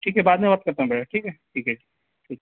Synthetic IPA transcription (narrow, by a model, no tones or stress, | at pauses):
ʈʰiːkɦɛbaːd̪mẽmɐt̪̚kɐɾt̪aɦɛ̃bɛːʈʰaʈʰiːkɦɛʈʰiːkɛʈʰiː | ʈʰiːk